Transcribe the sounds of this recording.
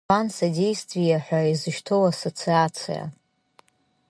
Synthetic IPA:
ansadʲejstʰvijaħʷᶣaizɨʃtʰo̞wasot͡sʰiat͡sʰḭja̰

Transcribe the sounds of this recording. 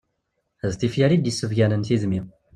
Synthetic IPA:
æzt̪ifjæɾid̪jəsːəvɡænənθiðmi

